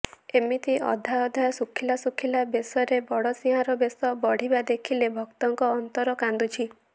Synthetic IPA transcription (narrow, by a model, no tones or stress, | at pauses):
emit̪iɔ̰d̪ʱajɔd̪ʱajɔsukʰilasukʰilabesɔɾebɔɽɔsiɦaɾɔbesɔbɔɽ̤ibad̪ekʰilebʱɔkt̪ɔŋkɔːnt̪ɔɾɔkand̪ut͡ʃʰi